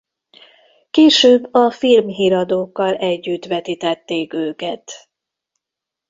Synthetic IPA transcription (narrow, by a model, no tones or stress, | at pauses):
keːʃøːbːɒfilmɦiːɾɒd̪oːkːɒlɛɟːyt̪ʋɛt̪it̪ɛt̪ːeːkøːkɛt̪